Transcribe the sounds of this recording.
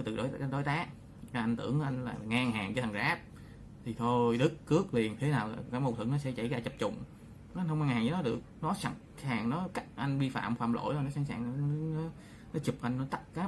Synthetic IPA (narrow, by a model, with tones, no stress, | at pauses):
jt̪ɨ̰˧˨˩ɗo˧˨˦jʔɗo˨˦jt̪aː˨˦˥k̚ | a˨˩ʔa˧ŋt̪ɨ̰˧˩əŋ˧ʔa˧jŋ̟laː˨˩˨ŋaː˧ŋhaː˨˩ŋt͡ɕə˧˩t̪ʰa˨˩ŋzaː˦˥p̚ | t̪ʰi˨˩t̪ʰo˧jɗɨ˦˥kːɨ˦˥ək̚li˨˩ənt̪ʰe˨˦naː˨˩wkaː˨˥mo˨˩t̪ʰɨ˧˩əŋnɔ˨˦sɛ̰˧˥t͡ɕə̰˧˩jɣaː˧˩t͡ɕə˨˩p̚t͡ɕʊ̰˧˨ŋ͡m | ʔn̟hə˧wŋ͡mhaː˧ŋɦaː˨˩ŋɲəː˨˦nɔ˨˦ɗɨ˨˩ək̚nɔ˨˦sa˧˦ŋ | saː˨˩ŋnɔ˨˦ka˦˥k̚ʔa˧jŋ̟ɓi˧fa̰ː˧˨mfa̰ː˧˨mlo̰˧˨jɔ˨˩nɔ˨˦saː˧˦ŋsa̰ː˨˩ŋ˨˦˨nɔ˨˦ | nɔ˨˦t͡ɕʊ˨˩p̚ʔa˧jŋnɔ˨˦t̪a˦˥k̚kaː˨˦